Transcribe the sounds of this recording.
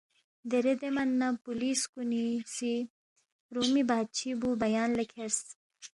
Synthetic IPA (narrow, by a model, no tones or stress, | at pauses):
d̪eɾed̪emɐnːɐpuliːskunisi | ɾuːmibaːd̪̚t͡ɕʰibubɐjaːnlekʰeɾs